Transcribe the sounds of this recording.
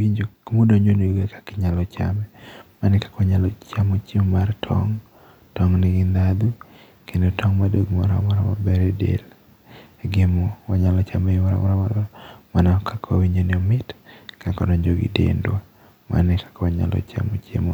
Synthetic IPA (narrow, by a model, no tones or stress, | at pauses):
iɲd͡ʒomodoɲd͡ʒoneoɡekḁkɪɲalɔt͡ʃa̰mɛmanɪkḁkɔɲalɔt͡ʃamot͡ʃemmartʰɔ̰ŋ | tɔŋnɪɡɪnd̪ad̪u | kendotʰɔŋmadoɡmɔɾa̰mɔɾama̰bɛɾɛdḛl | ɡɪmɔwaɲalɔt͡ʃamɛmɔɾa̰mɔɾamadɔmanakʰakʰwa̰wiɲd͡ʒonɪɔmɪtkakɔ̰doɲd͡ʒoɡḭdḛndwa | ma̰nɪkḁkɔɲa̰lɔ̰t͡ʃa̰mot͡ʃemo̰